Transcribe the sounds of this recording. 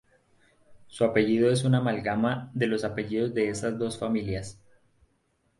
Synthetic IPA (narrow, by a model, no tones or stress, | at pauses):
suape̞ʝiðo̞e̞s̬unamalɡamaðe̞lo̞sape̞ʝiðo̞zd̪e̞esazd̪o̞sfamiljas